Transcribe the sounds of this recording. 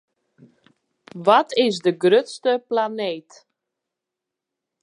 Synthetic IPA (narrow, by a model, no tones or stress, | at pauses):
ʋɔtʰɪzdəɡrøtstəplaneːt